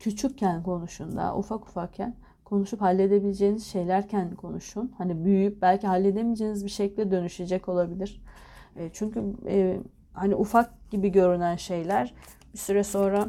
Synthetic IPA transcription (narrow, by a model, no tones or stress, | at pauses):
cʰyt͡ʃʰyc̚cʰːænkʰo̞nuʃund̪a̰ʔṵfaku̥fak̚cʰːæn | kʰo̞nuʃuphalʲːe̞d̪ebilʲed͡ʒeːniz̥ʃe̞jlʲæɾcʰænkʰo̞nuʃunhanibyjyjyp̚bælʲciɦalʲːe̞d̪emid͡ʒeːnizbiʃecilʲːɛd̪ø̞nyʃed͡ʒɛco̞lˠabilʲiɾ̥ɛːt͡ʃʰyɲcy | haniʔufak̚ɟ̥ibiɟø̞ɾynænʃe̞jlʲæɾ̥ | bisyɾɛso̞nɾa